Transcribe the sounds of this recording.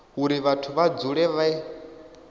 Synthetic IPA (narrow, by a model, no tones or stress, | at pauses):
uɾiβatʰuβad͡zuɺɛβai